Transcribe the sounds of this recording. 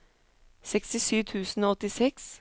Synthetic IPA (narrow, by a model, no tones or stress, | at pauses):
sɛkst̪ɪsyːt̪ʰʉːsn̩oːɔt̪ɪsɛks